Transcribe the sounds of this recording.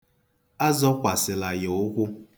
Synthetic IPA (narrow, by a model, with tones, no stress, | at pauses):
a˦zɔ˦kʷa˨sɪ˨la˨jo˨ʊ˦kʷʊ˦